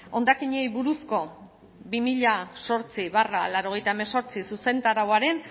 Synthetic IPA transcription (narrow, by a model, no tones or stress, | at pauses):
o̞nd̪akiɲejβuɾusko̞ | bimiʎaso̞ɾt͡siβara̰laɾo̞ɣ̞e̞jt̪aemeso̞ɾt͡sisuse̞nt̪aɾawaɾe̞n